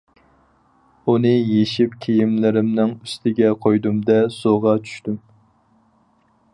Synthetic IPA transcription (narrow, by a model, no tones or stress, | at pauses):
unɨjeʃipkʲʰejimlɪɾɪmnɪŋyst̪ʰɪɡʲɛqʰojd̪umd̪ɛsoʁɑt͡ʃʰy̥ʃt̪ym